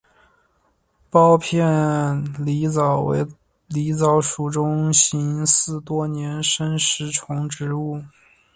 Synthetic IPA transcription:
pɑ˥ʊpʰjɛ˥˩li˧˥t͡sɑ˨˩ʊḛ˧˥ɪ | li˧˥t͡sɑ˧˥ʊʂu˨˩ʈ͡ʂʊ˥ŋɕi˧˥nsɹ̩˥˩t̪wɔ˥njɛ˧˥nʂə˥nʂɻ̩˧˥ʈ͡ʂʰʊ˧˥ŋʈ͡ʂɻ̩˧˥u˥˩

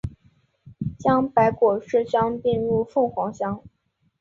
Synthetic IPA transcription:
t͡ɕjɑ˥ŋpa˧˥ɪkwɔ˨˩ʂɻ̩˥˧ɕjɑ˥ŋpi˥˧nɻu˥˧fɤ˥˩ŋxwɑ˧˥ŋɕjɑ˥ŋ

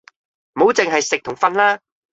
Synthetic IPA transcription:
mo˨˥wt͡sɪ˨ŋɦɐ˨jsɪ˨k̚t̪ʰʊ˨˩ŋfɐ˧nlaː˥

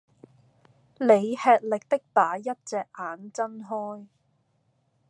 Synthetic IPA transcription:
le˨˧jhɛː˧t̚lɪ˨k̚t̪ɪ˥k̚t̪aː˨˥jɐ˥t̚t͡sɛː˨˧k̚ʔaː˨˧nt͡sɐ˥nɦɔː˥j

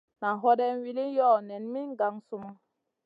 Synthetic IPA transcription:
na˨ɦɔ˦dɛ˦n˦wi˦li˦jɔ˦˨nɛ˨nmi˦ŋ˦ɡa˨ŋsu˦ma˦

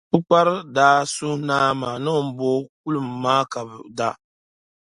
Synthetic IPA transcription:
bɨ˦k͡pa˦ɾɨ˦daː˨˦su˦naː˦ma˨nɨ˦m̩˦boː˦k̚u˦lɨ˨mː˨aː˦ka˨bɨ˨da˦

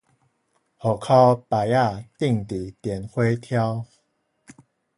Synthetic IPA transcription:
hɔ˨˩kʰa˦pa˨ja˥˧˨t̪i˥˨ŋt̪i˨˩t̪jɛ˨˩nhwe˦t̪ʰja˦w

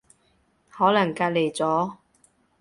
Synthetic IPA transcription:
hɔː˨˥lɐ˨˩ŋkaː˧t̚le˨˩jt͡sɔː˨˥

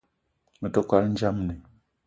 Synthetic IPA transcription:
mə˨tə˦kwa˦ln̩˦d͡ʒa˦mni˨

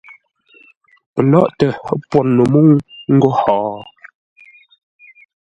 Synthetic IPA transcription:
pə˨lɔ̰˦ʔtə˨˦pwɔ˨nnə˨mo˦ŋŋ̩˦ɡo˦hɔː˨

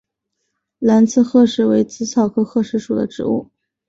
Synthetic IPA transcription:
la˧˥nt͡sʰɹ̩˥˧xɤ˥˧ʂɻ̩˥˩we˧˥ɪt͡sɹ̩˧˥t͡sʰɑ˨˩ʊkʰɤ˥xɤ˥˧ʂɻ̩˧˥ʂu˨˩d̪ə̰˦ʈ͡ʂɻ̩˧˩˦ṵ˥˩

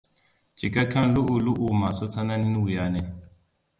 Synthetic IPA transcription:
t͡ʃi˨ka˦kʰa˦n˦lu˦ʔu˨lu˦ʔu˨ma˨so˦t͡sa˦na˦ni˦n˦wu˨ja˦nɛ˦

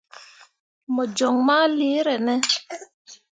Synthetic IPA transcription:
mɔ˨d͡ʒɔ˨ŋmaː˦li˨˦ɾɛ˨nɛ˦

